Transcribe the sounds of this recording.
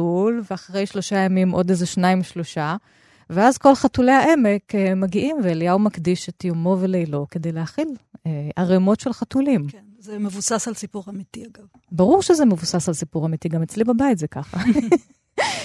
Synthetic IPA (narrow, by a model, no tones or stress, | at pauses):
ulveaχaʁe̞jʃlo̞ʃajamimʔo̞dezeʃnaimʃlo̞ʃa | veazko̞lχatule̞jhaʔe̞mekmaɡiʔimveeljaumakdiʃet̪jomo̞velejlo̞ked̪e̞jlehaχileʔaʁemo̞tʃe̞lχatulimkenzemevusasalsipuʁamit̪iaɡav | baʁuʁʃezemevusasalsipuʁamitiɡamet͡slibabaitzekaχa